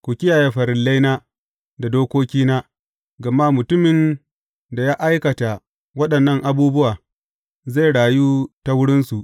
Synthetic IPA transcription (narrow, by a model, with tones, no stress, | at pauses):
kʷu˨kʲɪ˦jaː˨jeː˦ɸɐ˨ɾɪ˨lːa˦jna˦ | da˨doː˦kʷoː˦kʲiː˦na˦ | ɡɐ˨ma˦mʊ˨tʊ˦mɪ˨n | da˨jaː˦ʔa˦jkɐ˨ta˨ | wɐ˦ɗɐ˨nːɐ˦ŋʔa˦buː˦bʊ˦waː˨ | za˦˨jɽaː˨juː˦ta˦wʊ˦ɽɪ˦nsu˨ʔ